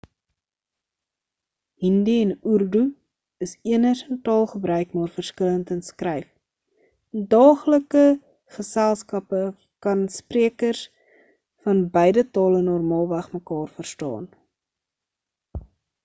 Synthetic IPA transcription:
ɦindiɛnurdu | əsiənərsəntɑːlˠχəbɾœɥkmɑːrfərskələntənskrɛjf | dɑːχləkə | χəsælˠskɐpə | kɐnspriəkərs | fɐnbəjdətɑːlənɔrmɑːlˠvæχməkɑːrfərstɑ̰ːn

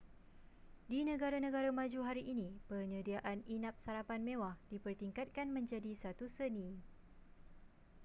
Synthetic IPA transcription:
dinə̃ɡaɾanə̃ɡaɾamãd͡ʒuɦaɾiʔinĩpəɲə̃diaʔaninãp̚saɾapanmẽwahd̥ipərt̪iŋkat̪̚kanmə̃ɲd͡ʒadisat̪usəni

